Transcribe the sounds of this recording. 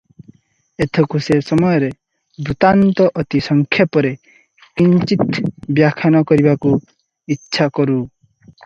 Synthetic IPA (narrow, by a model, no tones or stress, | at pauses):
et̪ʰɔkusesɔmɔjɔɾe | but̪ant̪ɔʔɔt̪isɔŋkʰjapɔɾe | kint͡ʃit̪bjakʰanɔkɔɾibaku | itːʃʰakɔɾu